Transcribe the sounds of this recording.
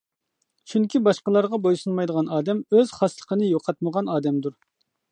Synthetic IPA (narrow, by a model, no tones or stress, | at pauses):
t͡ʃʰyŋkʲibɑʃqəlˠɑɾʁɑbojsunmɑjd̪əʁɑnɑːd̪ɛmøz̥χɑslˠə̥qənɨjoqʰɑt̪̚məʁɑnɑːd̪ɛmd̪uɾ